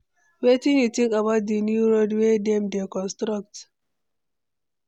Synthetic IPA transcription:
wetĩnjutĩŋkabaʊt̚dinjuɹodwedɛ̃mdekɔ̃nstɾak̚t

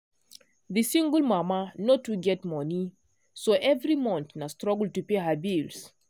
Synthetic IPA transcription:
ðɨsĩŋɡəlmamanɔtuɡɛtmɔni | soʔɛvɹimɔ̃nθnastɹɔɡəltupeɦabils

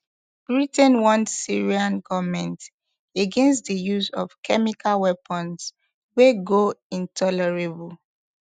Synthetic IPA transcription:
b̥ɹitɛ̃nwɔ̃ntsiɹiãnɡɔvmɛ̃nt | eɡɛ̃nstdəjuzɔ̰vkʰɛmikʰalwɛpʰə̃ns | weɡoĩntʰɔlɛɹebul

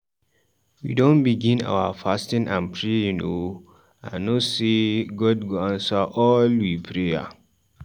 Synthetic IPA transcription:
wḭdõnbiɡĩna̰wafastĩnʔã̰npʰɹejuno | ã̰noseɡɔd̚ɡoãnsaʔɔlwipʰɹeja̰

